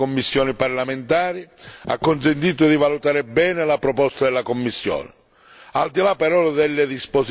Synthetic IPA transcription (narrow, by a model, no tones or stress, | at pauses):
komːisːjɔːniparlamɪnt̪aːɾia̰kːʊnsɪnt̪iːt̪ʊðivalut̪aːɾɪbɛːnɪlapɾɔpɔst̪ad̪ɛlːakomːisːjɔ̰ːnɪ | ald̪ilapːɛɾɔːðɛlːɪðispos